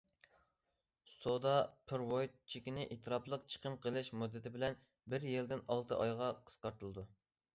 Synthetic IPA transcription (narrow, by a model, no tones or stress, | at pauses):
sod̪ɑpʰɾwojt̪̚t͡ʃʰikʲinɪʔet̪ʰɨɾɑplˠəq̚t͡ʃʰə̥qʰəmqʰəlˠɨʃmud̪ːɪt̪ʰɪbɪlɛn | bɪɾjeld̪ɪnɑlˠt̪ʰɨʔɑjʁɑqʰə̥sqɑɾt̪ʰɨlˠɨd̪u